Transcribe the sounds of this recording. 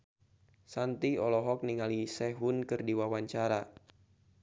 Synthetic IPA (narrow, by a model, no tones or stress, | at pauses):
sant̪iɔlɔɦɔk̚niŋalisɛɦunkɨrdiwawaɲt͡ʃaɾa